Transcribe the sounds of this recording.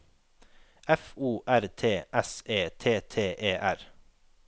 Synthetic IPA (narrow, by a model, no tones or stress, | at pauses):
ɛfuːʔæɾt̪ʰeːʔɛseːt̪ʰeːt̪ʰeːʔeːʔæɾ